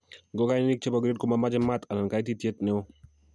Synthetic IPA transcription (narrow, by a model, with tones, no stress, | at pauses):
ɡɔ˦ka˦jnɪ˦ni˦k̚t͡ʃe˦bɔ˨ɡɾe˦d̚ko˦ma˦ma˦d͡ʒɪ˦ma˦t̪a˨na˨nka˨ɪ˦ti˦tje˦t̪̚nɪ˦o˦